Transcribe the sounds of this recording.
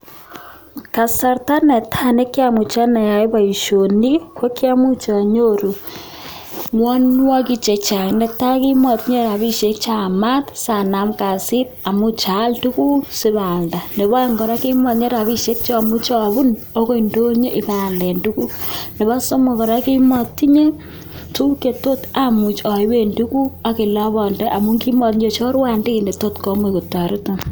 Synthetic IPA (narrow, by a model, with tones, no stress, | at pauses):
ka˨sa˨ɾta˦ne˨tʰa˦ne˦kja˦mu˨t͡ʃa˦na˨ja˨e˦βa˨i˨ʃo˨ni˦kwo˦kja˦mu˦t͡ʃa˨ɲoɾu˨ | mwo˦nwa˦ki˦t͡ʃe˨t͡ʃa˨ine˨ta˦ɣi˦mo˨tɲe˦ɾa˨βi˦ʃe˦t͡ʃa˨ma˦tsa˨na˨mka˨si˦ta˨mu˦t͡ʃa˨˦ldu˦ku˦si˦βaː˨nda˨ne˨bɔ˦a˦ŋɡɔ˨ɾa˦ki˦mɔː˨tɲe˦ɾa˨βi˦ʃe˦k̚t͡ʃɔ˦˨mu˦t͡ʃɔ˨bu˦n | o˦ko˦indo˦ɲe˦ʔi˨pa˨ldɛ˨ndu˦ku˦ne˨ba˦so˦mo˨kɔ˨ɾa˦ki˦mɔ˨tːi˦ɲe˦ | tu˦ke˨to˦ta˨mu˨t͡ʃɔ˨i˦be˦ndu˦ku˦a˨ki˨la˦bɔ˨nde˦ʔa˨mu˦ŋki˦mɔ˨tɲd͡ʒe˦t͡ʃo˦ɾwa˦ndi˦ki˨nde˨to˦tkɔ˦mwe˨ku˨tːa˨ɾo˦to˦